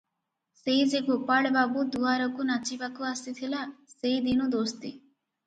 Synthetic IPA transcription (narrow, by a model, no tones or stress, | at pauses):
seid͡ʒeɡopaɭbabud̪uaɾɔkunat͡ʃibakuasit̪ʰilaseid̪inud̪ost̪ḭ